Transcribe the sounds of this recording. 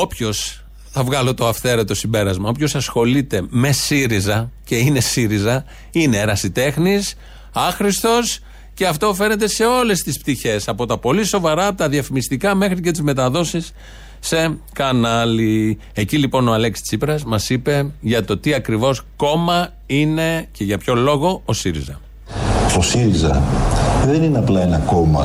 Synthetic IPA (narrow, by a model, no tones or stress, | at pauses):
o̞pço̞s | θɐvɣɐlo̞t̪o̞ɐfθe̞ɾet̪o̞simbe̞ɾɐzmɐo̞pço̞sɐsxo̞lit̪e̞me̞siɾizɐce̞ine̞siɾizɐ | ine̞ɾɐsit̪e̞xnis | ɐxɾist̪o̞s | ce̞ɐft̪o̞fe̞ne̞t̪̬e̞se̞o̞le̞st̪ispt̪içe̞sɐpo̞t̪ɐpo̞liso̞vɐɾɐːpot̪ɐðiɐfimist̪ikɐme̞xɾice̞t̪̬izme̞t̪ɐðo̞sisː | e̞kɐnɐli | e̞cilipo̞no̞ɐle̞ksi̥t͡sipɾɐzmɐsipe̞ʝɐt̪o̞t̪iɐkɾivo̞sko̞mɐ | ine̞ce̞ʝɐpço̞lo̞ɣo̞osiɾḭzɐ̰ | st̪o̞siɾizɐ̰ | ðe̞nineɐplɐenɐko̞mɐ̰